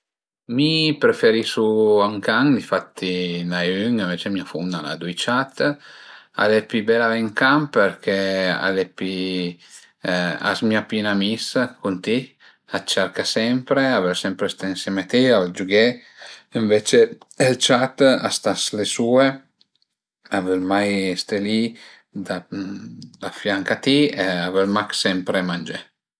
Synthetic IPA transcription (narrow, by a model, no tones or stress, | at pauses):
mipɾefeɾisuaŋkaŋd̪ifat̪ːinajyŋiɱvet͡ʃemiafund̪ana̰d̪ujt͡ʃat̪ː | a̰lɛpːibɛlavɛŋkampeɾkʰea̰lɛpi | a̰smiapinamiskunt̪i | at͡ʃːaɾkasɛmpɾeavɛlsɛmpɾest̪einsɛmat̪iavɛld͡ʒuɡe | iɱvet͡ʃe | elt͡ʃat̪a̰st̪aslesue | avɛlmajst̪eli | d̪a | d̪afjaŋkat̪ieavɛlmaksɛmpɾemand͡ʒe